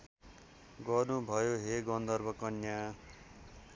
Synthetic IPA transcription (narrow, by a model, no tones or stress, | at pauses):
ɡʌrnubʱʌjoɦeɡʌnd̪ʌrbʱʌkʌnja